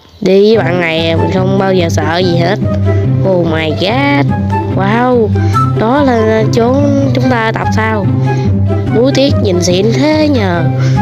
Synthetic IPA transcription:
ɗi˧˨˦ɓa̰ː˧˨nŋa˨˩jmï˨˩n̟xə˧wŋ͡mɓaː˧wzəː˨˩sə̰ː˧˨zi˨˩ɦe˦˥t̚ho˨˩maː˨˩jɣa˦t̚ | waː˧˩w | ɗɔ˨˦laː˨˩ | t͡ɕo˨˦ | t͡ɕʊ˨˦ŋ͡mt̪aː˧ʔaː˧˦t̪a˨˩p̚saː˧w | ɗu˨˦jt̪i˦˥ət̚ɲi˨˩nsḭ˧˨ənt̪ʰe˨˦ɲəː˨˩

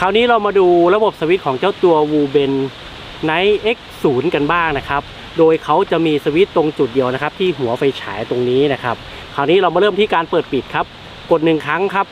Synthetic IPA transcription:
kʰaː˧˩wniː˦˥ɾa˧wmaː˧duː˧ɾa˧bo˨˩p̚saː˧wi˦˥t̪̚kʰɔː˩˦ŋt͡ɕaː˥˩wt̪u˧ɐwuː˧be˧nː | a˦˥jʔe˦˥k̚suː˩˦nka˧nbaː˥˩ŋna˦˥kʰa˦˥p̚ | doː˧jkʰa˦˥wt͡ɕa˨˩ʔmiː˧saː˧wi˦˥t̪ːo˧ŋt͡ɕu˨˩t̪̚di˧əwna˦˥kʰa˦˥p̚t̪ʰiː˥˩ɦu˩˦ɐfa˧jt͡ɕʰaː˩˦jt̪o˧ŋniː˦˥na˦˥kʰa˦˥p̚ | kʰaː˨˩wniː˦˥ɾa˧wmaː˧ɾɤː˥˩mt̪ʰiː˥˩kaː˧npɤː˨˩t̪̚pi˨˩t̪̚kʰa˦˥p̚ | ko˨˩nnɯ˨˩ŋkʰa˦˥ŋkʰa˦˥p̚

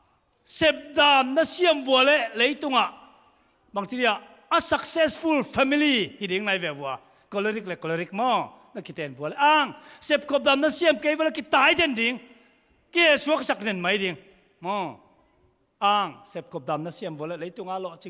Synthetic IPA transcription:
sɛ˨p̚da˨˧mnɐ˦si˦əmvu˨ɐ˨lɛ˨ʔle˦jt̪u˧ŋa˨ʔ | ba˨ŋt͡si˦di˧a˨ | ɐsɐ˨k̚sɛ˦sfʰu˧lpʰɛ˧mi˦lihi˨di˨˦ŋnɐ˧jvɛ˨vu˨a˨ | kɔ˧le˦ɾi˧k̚lɛ˨kɔ˨leɾi˧k̚mɔ˧ | nɐ˧ki˨t̪ɛ˨nvu˨ɐlɛ˦ʔa˧ŋsɛ˨p̚kʰɔ˨p̚daː˨mnɐ˦siəmke˦jvɔ˦lɛ˦˧ki˧t̪a˧˦jd̪ɛ˨ndi˨˦ŋ | ki˦ɛ˨su˦ɐksa˧k̚nɛ˨nmɐ˦jdi˧˦ŋ | mɔ˧ | ʔa˧ŋsɛ˨p̚kʰɔ˨p̚daː˨mnɐ˦si˧əmvu˨ɐ˨lɛ˨le˦jt̪u˧ŋa˨ʔlɔ˨ʔt͡si˧

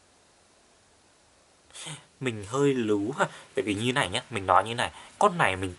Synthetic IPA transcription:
mï˨˩ŋ̟ɦəː˧jlɨ˨˦wɦaː˨˧˩t̪e˨˩vi˨˩˦ɲɨ˧˦na˨˩jɲaː˦mï˨˩ŋ̟nɔ˨˦jɲɨ˧˦na˨˩jkɔ˧nːa˨˩jmï˨˩ŋ̟

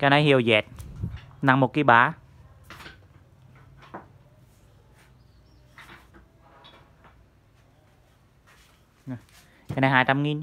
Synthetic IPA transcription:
ka˧na˧˦hi˧˩ə˨wjeː˨˩t̪̚na˧˩ŋmo˨˩kːi˧˩baː˨˦˧ | ka˧˩na˧jɦaː˨˦t̪ʰa˧mŋi˧˥n

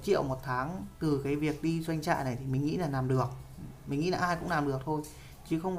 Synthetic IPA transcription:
t͡ɕḭ˧˨əwmo˨˩t̚t̪ʰaː˨˦ŋt̪ɨ˨˩kaː˨˦jvi˨˩ək̚ɗi˧zwa˧jŋ̟t͡ɕa̰ː˧˨jna˨˩jt̪ʰi˨˩mï˨˩ŋ̟ŋḭ˧˥laː˨˩naː˨˩mɗɨ˨˩ək̚mï˨˩ŋ̟ŋḭ˧˥laː˨˩ʔaː˧jkʊ̰˧˥ŋ͡mlaː˨˩mɗɨ˨˩ək̚t̪ʰo˧j | t͡ɕi˨˦xə˧wŋ͡m

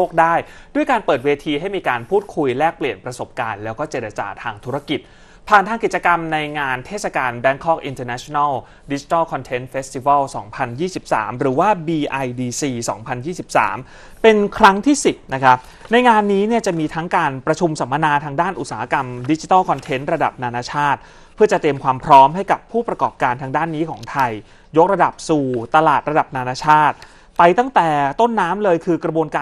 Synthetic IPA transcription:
o˥˩k̚daː˥˩jdu˥˩jkaː˧npɤː˨˩t̪̚weː˧t̪ʰiː˧ɦa˥˩jmiː˧kaː˧npʰuː˥˩t̪̚kʰu˧jlɛː˥˩k̚pli˨˩ənpɾa˧so˨˩p̚kaː˧nlɛː˦˥wkɔː˥˩t͡ɕeː˨˩ɾa˧t͡ɕa̰ː˨˩t̪ʰaː˧ŋt̪ʰu˦˥ɾa˧ki˨˩t̪̚ | pʰaː˨˩nt̪ʰaː˧ŋki˨˩t̚t͡ɕa˧ka˧mna˧jŋaː˧nt̪ʰeː˥˩t̪̚sa˧˩kaː˧nbɛ˦˥nkʰɔ˥k̚ʔi˧nt̪əː˧nɛ˦˥t͡ɕʰo˧na˥˩ | di˦˥t͡ɕi̥˧˦t̪ɔ˥˩kʰɔ˧nt̪ʰe˦˥nfeː˦˥st̪i˧wɛ˥˩sɔ̰ː˩˦ŋpʰa˧njiː˥˩si˨˩p̚sa̰ː˩˦mɾɯː˩˦waː˥˩biː˧ʔa˧jdiː˧siː˧sɔː˩˦ŋpʰa˧njiː˥˩si˨˩p̚sa̰ː˩˦m | pe˧nkʰɾa˦˥ŋt̪ʰiː˥˩si˨˩p̪̚na˦˥kʰa˦˥p̚ | na˧jŋaː˧nːiː˦˥ni˥˩ɐt͡ɕa˨˩miː˧t̪ʰa˦˥ŋkaː˧npɾa˧t͡ɕʰu˧msa˩˦mːa˧naː˧t̪ʰaː˧ŋdaː˥˩nʔu˨˩t̪saː˩˦a˦˥ka˧mdi˦˥t͡ɕi˧t̪aː˥˩kʰɔ˧nt̪ʰe˦˥nɾa˧da̰˨˩p̚naː˧naː˧˥t͡ɕʰaː˥˩t̪̚ | pʰɯ˥˩ɐt͡ɕa˨˩t̪i˧əmkʰwaː˧mpʰɾɔː˦˥mɦa˥˩jka˨˩pʰːuː˥˩pɾa˧kɔː˨˩p̚kaː˧nt̪ʰaː˧ŋdaː˥˩nːiː˦˥kʰɔː˩˦ŋt̪ʰa˧j | jo˦˥k̚ɾa˧da˨˩p̚suː˨˩t̪a˧laː˨˩t̪̚ɾa˧da˨˩p̚naː˧naː˧˥t͡ɕʰaː˥˩t̪̚ | pa˧jt̪a˥˩ŋt̪ɛː˨˩t̪o˥˩nːaː˦˥mlɤː˧jkʰɯː˧kɾa˧bu˧ənkaː˧

